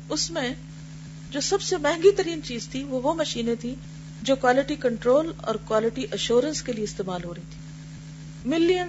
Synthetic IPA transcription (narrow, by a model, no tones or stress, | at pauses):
ʊsmẽ | d͡ʑoːsɐbsemɛɦɪ̃ŋɡit̪ɐɾiːnt͡ɕiːzt̪ʰiʋoːʋomɐʃiːnet̪ʰĩ | d͡ʑoːkwaːlɪʈikɐ̃ɳʈɾoːlɔ̰ːɾkwaːlɪʈiʔɐʃuːɾənskelijeɪst̪eːmaːlɦoːɾɐɦĩt̪ʰĩ̥ː | mɪljə